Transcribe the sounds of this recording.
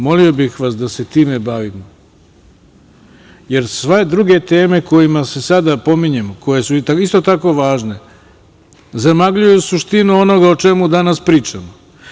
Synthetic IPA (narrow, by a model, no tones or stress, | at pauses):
mo̞lio̞bixʋasd̪ase̞t̪iːme̞baʋimo | je̞ɾsʋe̞d̪ɾuɡe̞t̪e̞ːme̞ko̞jimase̞sad̪apo̞miɲe̞moko̞je̞suaist̪o̞t̪ako̞ʋaːʒne̞ | zamaɡʎujusuʃt̪inuo̞no̞ɡaot͡ʃe̞mud̪anaspɾiːt͡ʃamo